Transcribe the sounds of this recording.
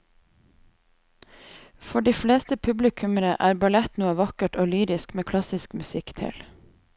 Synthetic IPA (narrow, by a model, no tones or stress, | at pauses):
fɔɖiːfleːst̪əpʰʉblɪkʰʉməɾəʔæːɾbɑlɛt̪nuːəʋɑkəʈoːlyːɾɪskmeːkʰlɑsɪskmʉsɪkt̪ʰɪ̰l